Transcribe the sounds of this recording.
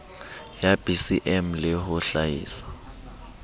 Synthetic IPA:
jab̥ʱisiʔɛmlɛɦʊɬajḭːsḁ

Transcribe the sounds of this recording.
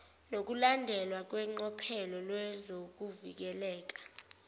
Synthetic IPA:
nok̬ulandʱɛlwak̬wɛŋ͡ǃɔpʰɛlɔlwɛzok̬uvḭk̬ɛlɛːk̬ḁ

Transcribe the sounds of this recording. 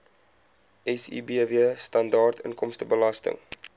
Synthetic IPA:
ʔɛsḭbiəviəstɐndɑːrtʰənkɔmstəbəlɐstə̰ŋ

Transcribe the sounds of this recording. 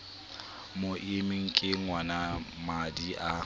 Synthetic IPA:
moʔɪmɪŋ̩kʼɪŋwanamadiʔa

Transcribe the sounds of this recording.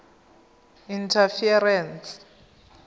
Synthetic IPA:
intʰafiɛrɛns

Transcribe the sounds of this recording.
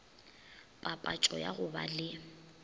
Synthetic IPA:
pʼapʼat͡ʃʼɔja̰ɣʊba̰lɪ

